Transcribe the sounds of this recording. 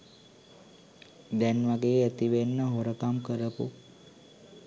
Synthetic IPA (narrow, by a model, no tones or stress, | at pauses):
d̪ɛnʋaɡeːət̪iʋenːəɦoɾəkamkəɾəpṵ